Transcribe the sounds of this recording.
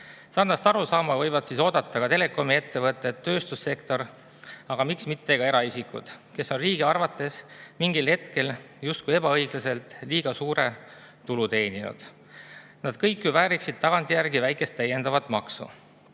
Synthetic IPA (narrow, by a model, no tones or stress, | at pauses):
sɑrnɑst̪ɑɾusɑːmɑvɤjvɑd̪̥siso̞ːd̪ɑt̪ːˑɑkɡ̥ɑt̪e̞le̞kˑo̞mie̞t̪ːe̞vɤt̪ːˑe̞t̪ːø̞ːst̪usːe̞kt̪o̞ɾ | ɑɡ̥ɑmiksmit̪ːeɡ̥ɑe̞ɾɑisikːˑṵd̪̥ke̞sːo̞nriːɡ̥iɑrvɑt̪ːˑe̞smiŋɡilhe̞t̪ke̞l | just̪kue̞bɑɤjɡ̥lɑse̞lt̪ˑliːɡ̥ɑsuːɾe̞ | t̪ulut̪e̞ːninṵd̪̥ | nɑd̪̥kɤjkːˑjuvæːɾiksid̪̥̚t̪ɑɡ̥ɑnt̪ˑijærɡivæjkˑe̞st̪ːæjːe̞nd̪ɑvɑt̪ːˑmɑksṵ